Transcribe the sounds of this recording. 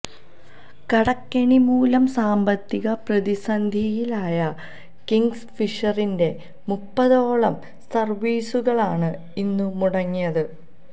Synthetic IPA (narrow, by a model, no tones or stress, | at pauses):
kɐɽɐkːɐɳimuːlɐmsaːmbɐt̪ːiɣɐprɐðisɐnd̪ʱijilaːjɐ | kiŋsfiʂɐrinde̞ | mupːɐðoːɭɐm | sɐrʋiːsuɣɐɭaːɳɨ | inːumuɽɐŋːijɐðɨ